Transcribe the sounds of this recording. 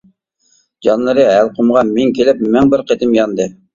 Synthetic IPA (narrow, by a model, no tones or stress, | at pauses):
d͡ʒɑnlˠɨɾɨælˠqʰʊmʁɑnmɪŋkʲʰelɪpmæŋbɪɾqet̪ɪmjɑnd̪ɨ